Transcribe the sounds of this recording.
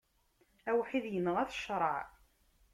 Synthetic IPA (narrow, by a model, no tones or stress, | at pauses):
æwħiðjənːʁæθʃɾˤɑʕ